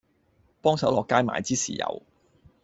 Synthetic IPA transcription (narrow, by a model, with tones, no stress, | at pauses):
pɔː˥ŋsɐ˨˥wlɔː˨kːaː˥jma̰ː˨jt͡siː˥siː˨jɐ̰˨˧w